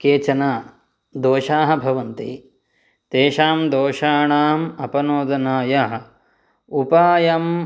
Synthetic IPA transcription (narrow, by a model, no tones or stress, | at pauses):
keːt͡ʃɐnaː | d̪oːʃaːɦɐ̆bʱɐʋɐnt̪ḭ | t̪eːʃaːmd̪oːʃaːɳaːmɐpɐnoːd̪ɐnaːjɐɦ | upaːjɐm